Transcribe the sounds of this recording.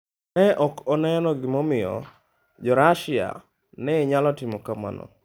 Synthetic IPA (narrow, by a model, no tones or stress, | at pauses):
nɛʔɔkɔnɛnɔɡɪmɔmɪjɔ̰ | d͡ʒɔɾaʃɪa̰ | nɛɲalɔtimokama̰nɔ̰